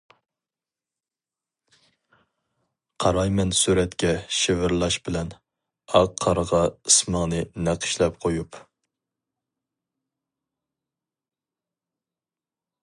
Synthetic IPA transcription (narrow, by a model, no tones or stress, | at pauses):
qʰɑɾɑjmɛnsuɾɛt̪kʲɛʃɪvɪɾlˠɑʃbɪlɛn | ɑqʰːɑɾəʁɑɨsməŋnɨnæqʰə̥ʃlɛp̚qʰojup